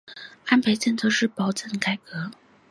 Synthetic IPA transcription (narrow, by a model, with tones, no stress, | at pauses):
a˥npʰe˧˥ɪt͡sə˥˩nt͡sʰɤ˥˧ʂɻ̩˥˩pɑ˧˥ʊt͡sə˥˩nka˨˩ɪkɤ˧˥